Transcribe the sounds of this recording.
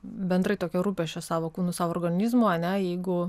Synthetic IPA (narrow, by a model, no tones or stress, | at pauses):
bʲɛnd̪ɾɐɪt̪oːkʲiɛɾuːpʲɛʃʲt͡ʃʲɛsɑːʋoːkuːnʊsɑːʋooːrɡɐnʲizmoɐnʲɛjɛɪɡʊ